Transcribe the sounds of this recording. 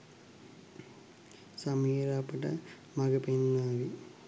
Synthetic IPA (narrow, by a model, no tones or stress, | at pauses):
sɐmiːɾapɐʈɐ̰ | mɐɡɐpenːaːʋi